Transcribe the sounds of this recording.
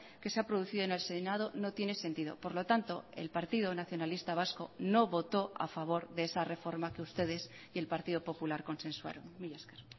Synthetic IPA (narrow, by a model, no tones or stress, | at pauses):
ke̞seapɾoðuθiðone̞lsenað̞o̞no̞t̪je̞ne̞se̞nt̪iðo̞̰po̞ɾlo̞t̪ant̪o̞ḛlpaɾt̪iðo̞naθjo̞nalist̪aβasko̞̰no̞βo̞t̪o̞a̰faβ̞o̞ɾðe̞esare̞fo̞ɾmakeust̪e̞ðe̞s | je̞lpaɾt̪iðo̞po̞pulaɾko̞nse̞nswa̰ɾonmiʝaskeɾ